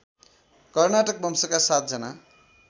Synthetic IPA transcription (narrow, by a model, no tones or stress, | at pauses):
kʌrnaʈʌk̚bʌmsʌkasat̪̚d͡zʌna